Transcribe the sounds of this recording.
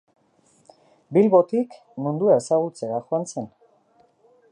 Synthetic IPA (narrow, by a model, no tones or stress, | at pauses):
bilβot̪ik | mũnd̪uaesaɣult͡seaxoant͡se̞n